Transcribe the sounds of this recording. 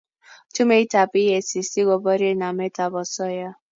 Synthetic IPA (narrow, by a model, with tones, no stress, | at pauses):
tu˦me˦i˦ta˨pi˦e˨si˨si˦ɡɔ˨bɔ˦ɾi˦e˦na˨me˦ta˨bɔ˨sɔ˦ja˦